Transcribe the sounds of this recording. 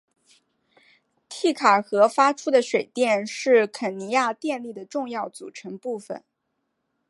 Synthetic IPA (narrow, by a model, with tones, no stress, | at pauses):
t̪ʰi˥˩kʰa˨˩xɤ˧˥fa˥ʈ͡ʂʰu˥d̪ə˨ʂwe˨˩ɪt̪jɛ˥˧nʂɻ̩˥˩kʰə˨˩ni˧˥ja˥˧t̪jɛ˥˧nli˥˩d̪ə˩ʈ͡ʂʊ˥˧ŋjɑ˥˩ʊt͡sṵ˨˩ʈ͡ʂʰɤ˧˥ŋpu˥˩fə̰˨˩n